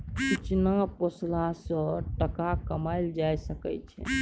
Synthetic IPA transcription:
kit͡ʃnaposlasə̃ʈəkakəmaɪld͡ʒajsəkɛ̰t͡ʃʰɛ̰

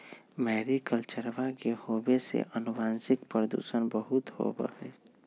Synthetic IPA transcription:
mɛːɾikəlt͡ʃəɾbakehobesḛʔənubaːnsɪkpɾəd̪ṵːsənbəɦut̪ho̰bə̰ɦḛ

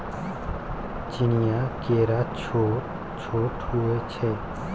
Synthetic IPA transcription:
t͡ʃinijaːkeːɾaːt͡ʃʰo | t͡ʃʰoːʈhuet͡ʃʰe

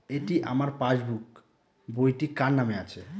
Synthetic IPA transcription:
eʈiʔa̰maɾpad͡ʒbuk | bojʈikanːameat͡ʃʰe

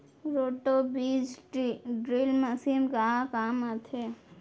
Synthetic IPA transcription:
ɾoːʈobid͡ʒɖɾilməsimkaakaːmat̪ʰe

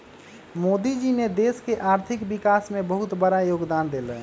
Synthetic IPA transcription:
mod̪id͡ʒined̪eskeʔaɾt̪ʰikbikasmebəɦut̪bəɾajoɡd̪and̪elɛ

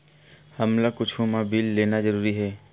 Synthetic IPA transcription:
hɐmlakʊt͡ʃʰũmabilːeːnazɐɾuːɾiɦɛː

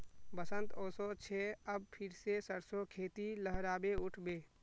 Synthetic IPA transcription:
bəsənt̪oːsot͡ʃʰeəb̚pʰɪɾsesəɾsokʰeːt̪iləɦɾaːbeʊʈʰbeː

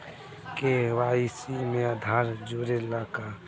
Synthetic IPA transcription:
keʋaːisimẽad̪ʱaːɾd͡ʒoːɾelaːka

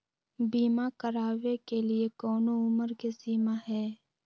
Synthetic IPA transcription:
biːmakəɾaːʋekeliekɔːnoʊməɾkesiːmaɦɛː

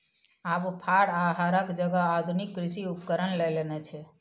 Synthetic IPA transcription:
aʋpʰaɽaɦaɾəkd͡ʒəɡaːd̪ʱunikːɾɪʃiupkəɾənlelenet͡ʃʰe

